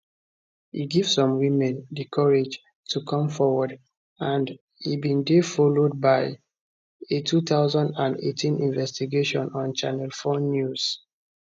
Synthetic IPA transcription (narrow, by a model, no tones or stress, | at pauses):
hiɡivsɔ̃mwimɛ̃ndikʰɔɹed͡ʒ | tʰukʰɔ̃mfɔwɔd | ãnd | hibĩndefɔlod̚baɪ | etʰut̪aʊzãndãndḛtʰĩnʔĩnvɛstiɡeʃɔ̃nɔ̃nt͡ʃanɛlfɔnjuz̥